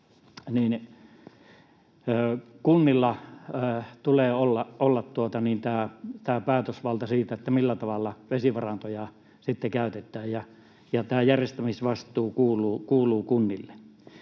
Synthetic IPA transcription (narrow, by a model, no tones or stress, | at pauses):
niːn | kunːilːɑ | t̪uleːolːɑʔolːɑt̪t̪uot̪ɑniːnt̪æːt̪æːpæːt̪øsʋɑlt̪ɑsiːt̪æet̪ːæmilːæt̪ɑʋɑlːɑʋesiʋɑrɑnt̪ojɑ | sit̪ːekæˑyt̪et̪ːˑæːjjɑ | jɑt̪æːjærjest̪æmisʋɑst̪ˑuːkuːluːkuːluːkunːilːe̥